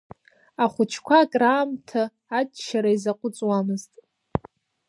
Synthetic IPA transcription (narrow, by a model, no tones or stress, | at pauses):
aχʷʊt͡ʃʰkʷʰakʼraːmtʰaː | tʼʃaɾaizaqʷʼʊt͡sʼwamɨztʼ